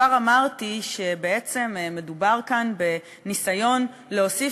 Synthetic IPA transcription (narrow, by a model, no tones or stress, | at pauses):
aʁamaʁtiʃe̞be̞et͡se̞mme̞dubaʁkanbe̞ | nisajo̞n | leosi